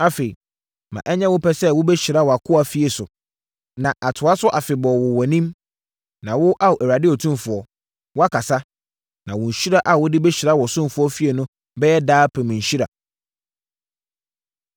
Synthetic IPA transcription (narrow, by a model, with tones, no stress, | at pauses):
a˦fe˨i˨ | mã̰˨ʔɛ˦ɲɛ̃˦wʊ˦pʰɛ˦sɛ˦wʊ˦bɛ˦ɕi˨ɾa˦wɔ˨a˨kʰʊ˦a˨fi˦e˨sʊ˨ | nã˨ʔa˨tʰʊ˨a˦sʊ˦ʔa˨fɪ˨bɔː˨wʊ˨wɔ˨nĩ˦m | nã˨wʊ˦ʔa˦wʔæ˨a˨dɪ˦ɔ˨tʰũ˦mfʊ˨ɔ˦ | wʊ˦a˦kʰa˨sa˦ | nã˨wʊ̃˨ɲ̩˨ɕᶣi˦ɾa˦ʔa˨wʊ˦dɪ˦bɛ˦ɕi˨ɾa˦wɔ˨sʊ̃˦m˦fʊ˨˦ɔ˦fi˦e˨nʊ̃˦ | bɛ˦jɛ˦daː˦pʰɛ˨mĩ˨ɲ̩˨ɕᶣi˦ɾa̰˨